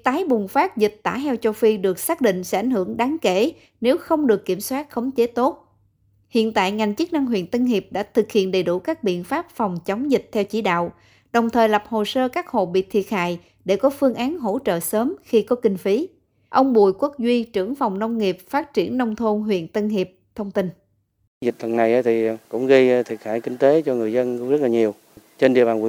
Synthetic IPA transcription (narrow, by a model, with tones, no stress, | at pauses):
t̪aː˨˦jɓʊ˨˩ŋ͡mfaː˦˥t̚zi˨˩k̚t̪a̰ː˧˩hɛ˧wt͡ɕo˧wfi˧ɗɨ˨˩ək̚saː˦˥k̚ɗḭ̈˧˨ŋ̟sɛ˧˥ʔa˧˩jŋ̟hɨ˧˩əŋɗaː˨˦ŋke˧˩ | ne˨˦wxə˧wŋ͡mɗɨ˨˩əkːi˧˩əmswaː˦˥t̚xə˨˦wŋ͡mt͡ɕe˨˦t̪o˦˥t̚ | hḭ˧˨ənt̪a̰ː˧˨jŋa˨˩jŋ̟t͡ɕɨ˦˥k̚na˧ŋɦḭ˧˨ənt̪ə˧nhi˨˩əp̚ɗa̰ː˧˥t̪ʰɨ˨˩k̚hḭ˧˨ənɗə˨˩jɗu˧˩kaː˦˥k̚ɓḭ˧˨ənfaː˦˥p̚fɔ˨˩wŋ͡mt͡ɕɔ˨˦wŋ͡mzï˨˩t̚t̪ʰɛ˧wt͡ɕḭ˧˩ɗa̰ː˧˨w | ɗə˨˩wŋ͡mt̪ʰəː˨˩jla˨˩p̚ho˨˩səː˧kaː˦˥k̚ho̰˧˨ɓḭ˧˨t̪ʰi˨˩ət̚ha̰ː˧˨j | ɗe˧˩kɔ˨˦fɨ˧əŋʔaː˨˦nɦo̰˧˥t͡ɕə̰ː˧˨səː˨˦mxi˧kɔ˨˦kï˧ŋ̟fi˨˦ | ʔə˧wŋ͡mɓṵ˧˨jkwk̚zwi˧t͡ɕɨ˧˩əŋfa˨˩wŋ͡mnə˧wŋ͡mŋi˨˩p̚faː˦˥t̚t͡ɕi˧˩ənːə˧wŋ͡mt̪ʰo˧nɦwḭ˧˨ənt̪ə˧nŋi˨˩əp̚t̪ʰə˧wŋ͡mt̪i˧n | zï˨˩k̚t̪ʰə˨˩na˨˩jʔa˨˦t̪ʰi˨˩kʊ̰˧˥ŋ͡mɣə˧jt̪ʰi˨˩ək̚ha̰ː˧˩jkï˧ŋ̟t̪e˨˦t͡ɕɔ˧ŋɨ˨˩əjzə˧nkʊ̰˧˦ŋ͡mzə˦˥t̚laː˨ɲi˨˩əw | t͡ɕe˧nɗi˧˨əɓaː˨nv̰